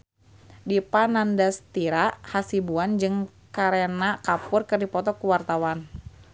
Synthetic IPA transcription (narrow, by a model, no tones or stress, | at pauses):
dipanandast̪iɾahasibuand͡ʒɨŋ | kaɾenakapʊrkɨrdipɔt̪ɔkuwart̪awan